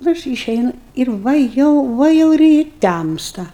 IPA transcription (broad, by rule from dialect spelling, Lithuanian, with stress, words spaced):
nʊ ˈɐʃ iːˈʃʲɛɪnʊ ɪr ˈʋɐ jɛʊ ˈʋɐ jɛʊ ɪr ɪ ˈtʲæmstɐ